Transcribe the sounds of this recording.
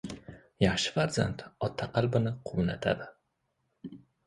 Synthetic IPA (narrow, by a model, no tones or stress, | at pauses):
jaχʃɪ̥faɾza̰nt̪ɒt̪ʰːaqɑlbɪnɪqʰʊwnat̪ʰa̰d̪ɪ